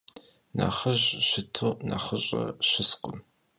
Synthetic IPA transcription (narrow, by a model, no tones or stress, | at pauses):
na̰ːχəʑɕɪtʰonaχəʑʼɐɕɪsqəm